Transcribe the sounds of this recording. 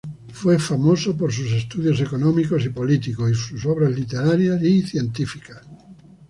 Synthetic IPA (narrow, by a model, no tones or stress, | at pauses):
fwefamosopoɾs̬us̬est̪uðjosekonõmikosipolit̪ikosisusoβ̞ɾazlit̪eɾaɾjasiθjẽnt̪ifikas